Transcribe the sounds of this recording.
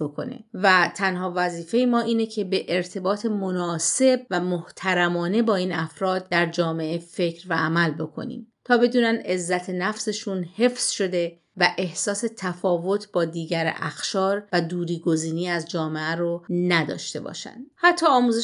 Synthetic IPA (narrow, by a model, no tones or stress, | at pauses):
bokʰo̞̰nḛvæt̪ʰænhɒːvæziːfe̞jemɒːʔiːne̞cʰe̞be̞ʔeɾt̪ʰe̞bɒːt̪ʰe̞mo̞nɒːse̞b̚væmoht̪ʰæɾæmɒːne̞bɒːiːnæfɾɒːd̪̚d̪æɾd͡ʒɒːme̞ʔefe̞cʰɾvæʔːmælbo̞kʰo̞̰nḭːmt̪ʰɒːbe̞d̪uːnænd̪e̞zːæt̪ʰe̞næfse̞ʃunhe̞fz̥ʃo̞d̪e̞ | væʔe̞hsɒːse̞t̪ʰæfɒːvo̞t̪ʰbɒːd̪iːɟæɾʔæ̰xʃɒːɾvæd̪uːɾiːɡo̞ziːniːæzd͡ʒɒːmeæɾonæd̪ɒ̰ːʃt̪e̞bɒ̰ːʃæ̰nd̪̥hæt̪ʰːɒːmuːze